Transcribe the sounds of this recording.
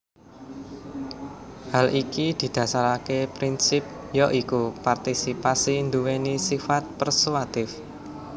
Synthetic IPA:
halʔikid̪̥i̤d̪̥ä̤saɾakepɾinsɪp̚jɔʔikupart̪isipasind̪uwenisifat̪̚pərsuwat̪ɪf

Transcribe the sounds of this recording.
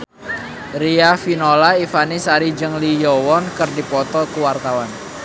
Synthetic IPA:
riafinolaifanisaɾid͡ʒɨŋlijɔwɔnkərdipɔt̪ɔkuwart̪awan

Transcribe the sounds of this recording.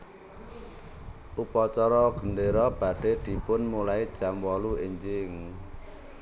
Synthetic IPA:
ʔupɔt͡ʃɔɾɔɡ̥ə̤nd̪eɾɔb̥ä̤ɖ̥e̤d̪̥i̤pʊnmulaid̥ʒ̥a̤mwɔluiɲd͡ʒɪŋ

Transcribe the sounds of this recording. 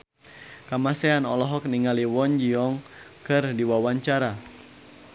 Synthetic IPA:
kamasɛanɔlɔɦɔk̚niŋaliwɔɲd͡ʒiɔŋ | kɨrdiwawaɲt͡ʃaɾa

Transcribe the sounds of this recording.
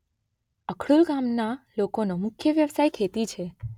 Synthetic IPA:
əkʰɽulɡamnalokonomʊkʰjəʋjəʋsajkʰet̪it͡ʃʰe

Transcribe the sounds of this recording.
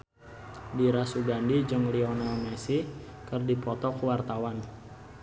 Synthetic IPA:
diɾasuɡandid͡ʒɨŋliɔnalmɛsi | kərdipɔt̪ɔkuwart̪awan

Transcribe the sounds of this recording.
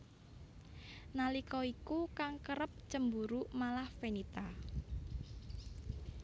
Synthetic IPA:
nalikɔikukaŋkəɾəp̚t͡ʃəmbuɾumalahfenit̪a

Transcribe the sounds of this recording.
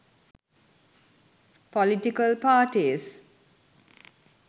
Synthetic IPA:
pɔliʈikəlpaːʈis

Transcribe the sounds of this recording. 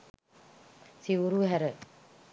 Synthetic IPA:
siʋuɾuɦæɾə

